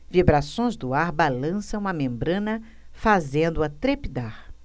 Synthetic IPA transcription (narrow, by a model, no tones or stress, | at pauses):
vibɾasõj̃zd̪ʊaɾbalɐ̃sɐ̃w̃ɐmẽmbɾɐ̃nɐ | fazẽnd̪ʊɐt̪ɾepid̪aɾ